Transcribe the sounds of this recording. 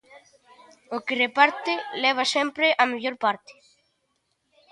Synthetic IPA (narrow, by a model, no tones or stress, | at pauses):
okerepaɾt̪eleβ̞asempɾeʔameʎoɾpaɾt̪e̥